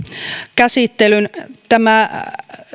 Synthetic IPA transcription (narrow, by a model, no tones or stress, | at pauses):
kæsit̪ːelynt̪æmæ